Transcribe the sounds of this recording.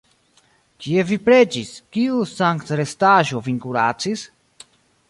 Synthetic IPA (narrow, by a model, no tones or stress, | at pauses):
kie̞vipɾe̞d͡ʒiskiusaŋktɾestaʒo̞viŋkuɾa̰t͡sis